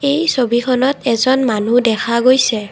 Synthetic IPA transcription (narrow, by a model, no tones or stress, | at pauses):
ejsobikʰɔnɔtɛzɔnmanudɛkʰaɡojsɛ